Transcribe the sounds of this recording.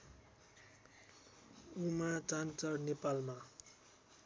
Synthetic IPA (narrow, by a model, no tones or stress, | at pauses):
umat͡sant͡sʌrnepalma